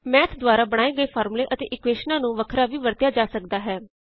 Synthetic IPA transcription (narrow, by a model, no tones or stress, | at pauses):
mɛːt̪ʰd̪ʋaːɾaːbəɽ̃aːeːɡəeːpʰaːɾmlẽːʔət̪ḛːʔɪkʋeːʃnãːnũːʋəkʰɾaːʋiːʋəɾt̪jaːd͡ʒaːsək̚d̪aːɦɛː